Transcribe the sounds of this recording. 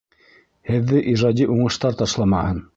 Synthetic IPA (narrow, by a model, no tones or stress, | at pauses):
hɘ̆ðːɘʔiʒɑd̪ʲiʔuɴɤ̆ʃt̪ɑɾt̪ɑʃlˠɑmɑhɤn